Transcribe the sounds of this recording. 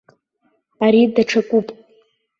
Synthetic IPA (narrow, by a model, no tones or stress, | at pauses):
aɾidaʈ͡ʂʰakʷʼupʼ